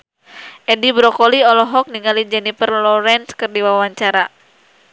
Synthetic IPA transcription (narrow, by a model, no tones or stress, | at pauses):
ʔɛdibɾɔkɔliɔlɔɦɔk̚niŋalid͡ʒɛnifərlɔɾɛnskɨrdiwawaɲt͡ʃaɾa